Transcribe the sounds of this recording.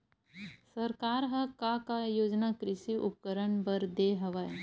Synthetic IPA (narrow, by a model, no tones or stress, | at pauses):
sɐɾkaːɾɦɐkakajoːd͡ʒnakɾɪʃiʔʊ̰p̚kəɾəɳbəɾd̪eːɦɐʋae